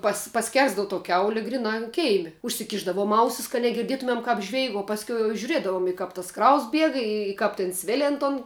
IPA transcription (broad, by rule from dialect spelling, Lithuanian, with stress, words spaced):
pɐs pɐˈsʲkʲɛrzdɐʋʊ toː ˈkʲɛʊlʲɪ ˈɡrʲɪnɑː ɐn ˈkʲɛɪmʲɪ ʊʃʲsʲɪˈkʲɪʒdɐʋuɔm ˈɐʊsʲɪs kɐt nʲɛɡʲɪrʲˈdʲiɛtʊmʲɛm ˈkɑːp ˈʒʲʋʲɛɪk oː ˈpɑːsʲkʲɛʊ jɛʊ ʒʲʊˈrʲiɛdɐʋoːm ɪ ˈkɐp tɐs ˈkrɐʊs ˈbʲiɛk ɪ ˈkɐp tʲeːn ˈsʲʋʲeːlʲɪn toːn